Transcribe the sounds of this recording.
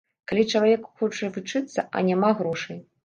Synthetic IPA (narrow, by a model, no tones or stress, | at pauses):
kalʲit͡ʂɐlˠavʲɛkxɔt͡ʂɐvɨt͡ʂɨt̪sːɐʔɐ̰nʲamaɣɾɔʂɐj